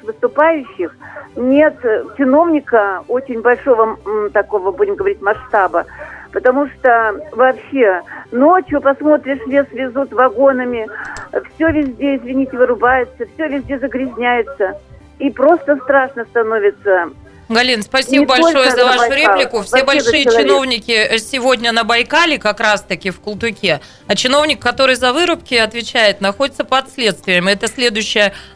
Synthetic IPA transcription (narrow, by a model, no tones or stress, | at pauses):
xvɨst̪ʊpajʉɕːɪxnʲe̞t̪t͡ɕɪno̞vnʲɪkəo̞t͡ɕɪnʲbɐlʲʂo̞vət̪ɐkovəbudʲɪmɡəvɐɾʲitʲmɐʂt̪abəpət̪ɐmuʂt̪ovɐːpɕːe̞no̞t͡ɕjʊpɐsmo̞t̪ɾʲɪʂvʲesvʲɪzut̪vɐɡo̞nəmʲɪfsʲɵvʲɪzʲdʲeɪzʲvʲɪnʲitʲɪvɨɾʊbajɪt̪səfsʲɵvʲɪzʲdʲezəɡɾʲɪzʲnʲæjɪt̪sə | ipɾo̞st̪əst̪ɾaʂnəst̪ɐnovʲɪt̪sə | ɡɐlʲinspɐsʲibəbɐlʲʂo̞jəzɐvaʂʊɾʲeplʲɪkʊfsʲebɐlʂɨjət͡ɕɪno̞vnʲɪkʲɪsʲɪvo̞dʲnʲənəbɐjkalʲɪkɐkɾast̪ɐkʲɪfkʊlˠt̪ʊkʲe̞ | ɐt͡ɕɪno̞vnʲɪkːɐt̪o̞ɾɨjzɐvɨɾʊpkʲɪɐt̪vʲɪt͡ɕæjɪt̪nɐxodʲɪt̪səpəɐt̪slʲe̞t̪st̪vʲɪjəmɛt̪əsʲlʲe̞d̪ʊjɕːɪjə